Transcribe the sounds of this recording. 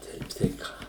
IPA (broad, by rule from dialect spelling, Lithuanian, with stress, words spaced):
ˈtʲɛɪp tɐɪ ˈkɑː